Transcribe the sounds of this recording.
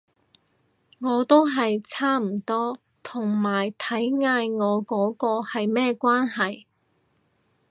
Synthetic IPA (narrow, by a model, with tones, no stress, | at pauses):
ŋɔː˨˧t̪o˥wɦɐ˨jt͡sʰaː˥m̩˨˩t̪ɔː˥ | t̪ʰʊ˨˩ŋmaː˨˩jt̪ʰɐ˨˥jŋaː˧jŋɔː˨˧kɔː˨˥kɔː˧hɐ˨jmɛː˥kʷaː˥nɦɐ˨j